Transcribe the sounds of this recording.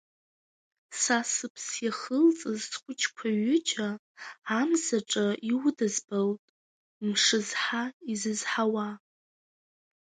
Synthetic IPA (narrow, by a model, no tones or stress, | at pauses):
sasɨpʰsjaχəlt͡sʼɨzsχʷʼʊt͡ʃʰkʷʰaɥʊd͡ʒaː | mzaʈ͡ʂʼaʔiwdɨzbaltʼ | mʂɨzħaizɨzħawa